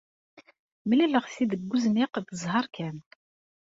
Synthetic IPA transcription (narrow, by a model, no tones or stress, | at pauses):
mliləʁsid̪əɡːuzniqθəzˤhɑɾˤkæn